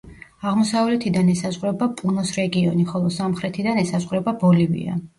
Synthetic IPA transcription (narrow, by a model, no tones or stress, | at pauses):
aʁmɔsavlɛt̪ʰid̪anɛsazʁɾɛbapʼunɔsɾɛɡiɔniχɔlˠɔsamχɾɛt̪ʰid̪anɛsazʁɾɛbabɔlivḭa̰